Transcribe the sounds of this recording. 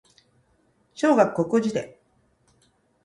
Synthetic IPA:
ɕo̞ːɡakkːo̞kɯ̟d͡ʑid̪e̞̰

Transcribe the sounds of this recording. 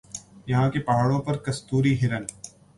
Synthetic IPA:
jɐɦãkepaːɽõpɐɾkɐst̪uːɾiɦɪɾən

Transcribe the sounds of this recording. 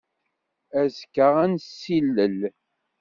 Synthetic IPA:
æzkːəʁænsilːəl

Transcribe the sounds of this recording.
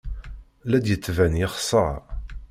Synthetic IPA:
læd̪jət͡sːvænjɪχsˤɑ

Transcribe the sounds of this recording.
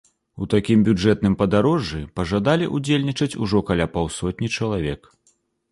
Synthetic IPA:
ut̪akʲimbʲud͡ʐɛt̪̚nɨmpɐd̪aɾɔʐːɨpɐʐad̪alʲḭʔud͡zʲelʲnʲit͡ʂɐt͡sʲuʐɔkalʲapawsɔt̪̚ʲnʲit͡ʂɐlˠavʲɛk

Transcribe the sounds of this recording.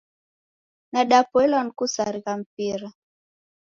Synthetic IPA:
naɗapwɛlɔnkusaɾiɣam̩piɾa

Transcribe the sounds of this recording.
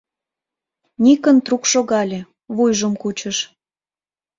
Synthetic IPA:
nʲikənt̪rukʃoɣɑlʲe | βujʒəmkut͡ɕəʃ

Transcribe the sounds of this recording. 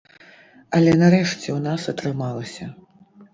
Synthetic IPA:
ɐlʲɛnɐɾɛʂt͡sʲɛwnasɐt̪ɾɨmalˠɐsʲɐ

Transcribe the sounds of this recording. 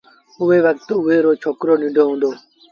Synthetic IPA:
ʊʋeːʋək̚t̪oʊɦeːɾoːt͡ʃʰoːkɾoːniɖʱoːɦũːnd̪oː

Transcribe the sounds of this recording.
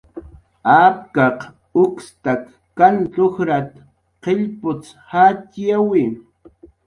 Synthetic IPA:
ap̚kɑq | ʊkst̪akː | ant͡ɬoxɾat̪ | qeʎpʊt͡s | hat̪jawɪ

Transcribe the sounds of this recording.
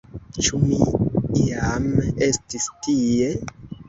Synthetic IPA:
t͡ʃumiiamestistie

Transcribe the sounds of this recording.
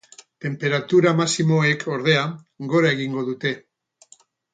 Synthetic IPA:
t̪e̞mpe̞ɾat̪uɾamasimo̞e̞kʰo̞ɾð̞e̞a | ɡo̞ɾae̞ɣ̞iŋɡo̞ðut̪e̞

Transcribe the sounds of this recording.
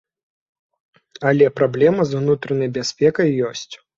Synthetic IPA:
ɐlʲɛpɾablʲɛmɐzwnut̪ɾɐnɐjbʲasʲpʲɛkɐjːɔsʲt͡sʲ

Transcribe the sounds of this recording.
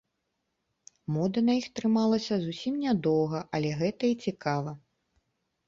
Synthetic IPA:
mɔd̪ɐnɐjixt̪ɾɨmalˠɐsʲɐzusʲimnʲad̪ɔwɣɐʔɐlʲɛɣɛt̪ɐit͡sʲikavɐ

